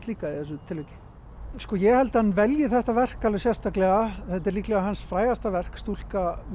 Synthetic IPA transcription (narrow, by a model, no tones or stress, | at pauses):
t̪liːkaiθɛsʏt̪ʰɪlvejcɪ̥ | skɔjɛhɛlt̪anvɛljɪθɛht̪avɛr̥kalvɛsjɛst̪aklɛɣaθɛt̪̬ɛɾliːklɛɣaɦansfɾaːjɣast̪avɛr̥kst̪ul̥kam